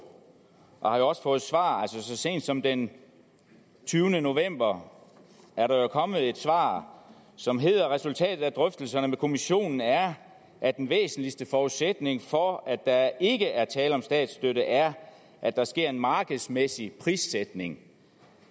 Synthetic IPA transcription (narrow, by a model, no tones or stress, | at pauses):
ʔɒhɑ̈jo̝ɒ̽sə̥fɔ̽ːð̩ˠsʋɑ̰̈ːælsəsɒ̽se̝̰ːnd̥sɒ̽md̥en | t͡sʰyːʊnəno̝ʋem̰b̥ɐ | ʔæɐɾɑ̈jo̝kʰɒ̽mð̩ˠe̝d̥sʋɑ̰̈ː | sɒ̽mɦe̝ð̞̰ˠɐʁɛsult͡sʰɛ̰ːd̥ð̩ˠæd̥ʁœfd̥l̩sɐnəmekʰo̝miɕo̝̰ːnn̩æɐ | ʔæd̥enʋḛːsn̩lisd̥əfɒːuðsed̥ne̝ŋfɒ̽æd̥ɑ̈e̝ɡ̥əʔæɐt͡sʰɛːləɒ̽msd̥ɛ̰ːd̥sd̥øɾəʔæɐ | ʔæd̥ɑ̈sɡ̥e̝ɐ̰e̝nmɑ̈ːɡ̥əð̩ˠsmesipʰʁisːed̥ne̝ŋ